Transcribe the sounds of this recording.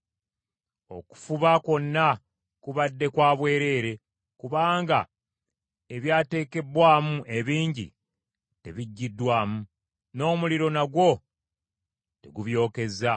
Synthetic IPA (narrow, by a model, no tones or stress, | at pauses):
o̞̰ku̥fuβako̞nːa | kuβadːe̞kwaːβwe̞ːɾe̞ːɾe̞ | kuβaːŋɡa | e̞βjaːte̞ːke̞bwaːmuʔe̞βiːɲɟḭ | te̞βiɟːidːwaːmu | no̞ːmuliɾo̞naɡwo̞ | te̞̰ɡuβjo̞ːke̞za